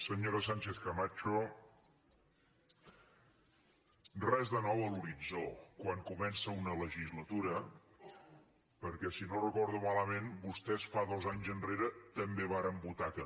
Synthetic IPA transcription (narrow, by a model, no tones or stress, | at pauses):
səɲoɾəsaɲʲt͡ʃeθkəmat͡ʃu | rɛzðənɔwəluɾid͡zokwaŋkumɛnsəunələʒizlət̪uɾə | pəɾkɛsinorəkɔɾðumaləmenbust̪ɛsfaðɔzaɲzənreɾət̪əmbeβ̞aɾəmbut̪akə